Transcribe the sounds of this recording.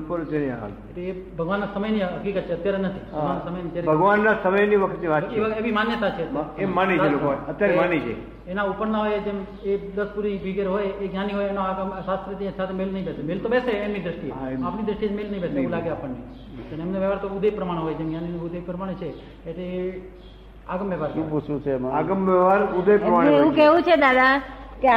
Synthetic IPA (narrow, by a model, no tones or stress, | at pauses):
pəɾt͡ʃenia̰a̰leʈleː | bʱəɡʋanːasəməjniɦəkikət̪̚t͡ʃʰeət̪jaɾenət̪ʰibəɡʋanasəməjnid͡ʒjaɾebʱəɡʋanːasəməjniʋəkʰət̪niʋaeʋəeʋimanjət̪at͡ʃʰet̪aemːaniaelokoət̪ːjaɾemanid͡ʒḛ | enaupəɾnaɦojd͡ʒem | ed̪əspuɾibʱiɡeɾɦojeɡnjaniɦojenoaɡəmsast̪ɾət̪isat̪ʰemelnəɦĩbesemelt̪obeseːmnid̪ɾəʃʈieapnid̪ɾəʃʈid͡ʒemelnəɦĩbesẽũlaɡeapəɳːi | t̪ənemneʋeʋaɾt̪oud̪epɾəmaɽ̃ɦojd͡ʒemɡjaninoud̪epɾəmaɽ̃et͡ʃʰeː | ʈleː | aɡəmʋeʋaɾt͡ʃʃũeut͡ʃũt͡ʃʰeaɡəmʋeʋaɾud̪epɾəmaɽeeũkɛʋũt͡ʃʰed̪ad̪akea